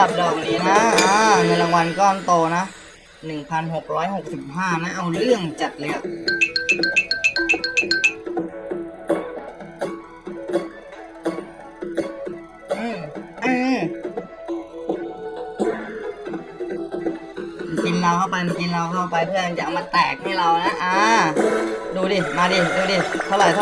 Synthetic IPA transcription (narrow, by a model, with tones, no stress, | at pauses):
a˨˩p̚dɔː˨˩k̚niː˦˥na˦˥ʔːŋɤ˧nla˧ŋwa˧nkɔː˥˩nt̪oː˧na˦˥ʔ | nɯ˨˩ŋpʰa˧nɦo˨˩k̚ɾɔː˦˥jho˨˩k̚si˨˩p̚ɦaː˥˩na˦˥ʔa˧wɾɯ˥˩əŋt͡ɕa˨˩t̪̚lːɯ˧˩a˨˩ | ʔʔɯː˧˩mʔɯː˧˩˧ | nki˧nla˧wkʰa˥˩wpa˧jma˧nki˧nɾa˧wkʰa˥˩wpa˧jpʰɯ˥˩ɐja˧ŋt͡ɕa˨˩ʔa˧wmaː˧t̪ɛː˨˩k̚ha˥˩jɾa˧wna˦˥ʔaː˧˩ | duː˧diː˧˩maː˧diː˧˩duː˧diː˧t̪ʰa˧˩wlaː˨˩jt̪ʰa˧˩